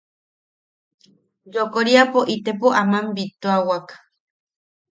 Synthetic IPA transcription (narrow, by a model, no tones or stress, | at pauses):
jokoɾiapoʔit̪epoʔamambit̪oawakḁ